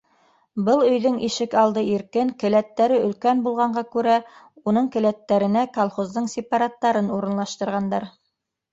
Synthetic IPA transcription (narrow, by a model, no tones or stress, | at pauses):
bɤlˠɵ̆jðɵŋiʃɘkɑlˠd̪ɤiɾkɘŋkɘ̆læt̪ːæɾɘɵ̆lkænbulˠʁɑɴɢɑkʉɾæ | unɤɴkɘ̆læt̪ːæɾɘ̆nækolˠχozd̪ɤɴsʲɪpɑɾat̪ːɑɾɤnuɾɤ̆nlˠɑʃt̪ɤ̆ɾʁɑnd̪ɑɾ